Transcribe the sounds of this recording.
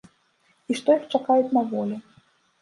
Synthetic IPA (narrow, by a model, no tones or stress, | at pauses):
iʂt̪ɔjixt͡ʂakajut͡sʲnɐvɔlʲɛ